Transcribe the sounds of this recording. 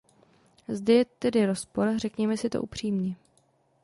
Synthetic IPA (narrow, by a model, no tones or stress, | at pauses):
zdɛjɛt̪ɛdɪɾospo̞ɾrɛkɲɛmɛsɪt̪o̰ʔupr̝̥iːmɲi